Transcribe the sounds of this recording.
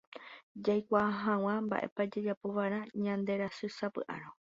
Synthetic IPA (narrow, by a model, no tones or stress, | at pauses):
d͡ʒajkʷaɦãw̃ãmba̰ʔe̞̰pad͡ʒed͡ʒapo̞ʋaɾãɲãnd̪e̞ɾasɨsapɨ̰ʔa̰ɾ̃õ